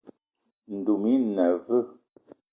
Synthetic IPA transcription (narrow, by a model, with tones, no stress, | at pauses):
n̩˨du˨mi˦nɛ˨vɨ˦˨